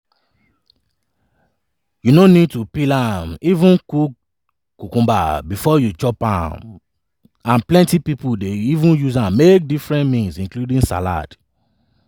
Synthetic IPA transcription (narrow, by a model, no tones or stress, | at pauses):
junonid̚tupilãmivũnkuk | kːukũmba̰bifɔjut͡ʃɔpã̰m | ãnplɛ̃ntipipudeivũnjuzãmːek̚difɹɛ̃nmĩnzĩnkludĩŋsa̰la̰d̥